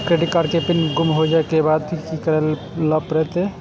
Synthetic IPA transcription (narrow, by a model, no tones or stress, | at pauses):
kɾeɖɪʈkaːɾkepɪnɡʊmɦod͡ʒaːekebaːd̪̚ikikɐɾəl | ləpɾɛt̪ee